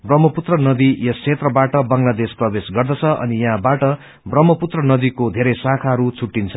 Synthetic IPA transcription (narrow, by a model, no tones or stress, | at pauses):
brʌmːʌput̪rʌnʌd̪ijʌst͡sʰet̪rʌbaʈʌbaŋlad̪esprʌbesɡʌrd̪ʌt͡sʰʌʔʌ̰nijaɦãbaʈʌ | brʌmːʌput̪rʌnʌd̪ikod̪ʱeɾʌjsakʰaɦʌɾut͡sʰuʈːint͡sʰʌ